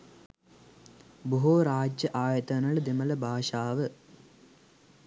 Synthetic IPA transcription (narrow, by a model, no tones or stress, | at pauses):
buɦoːɾaːd͡ʒjɐʔaːjɐt̪ɐnɐɭd̪imɐlɐbʱaːʂaːʋɨ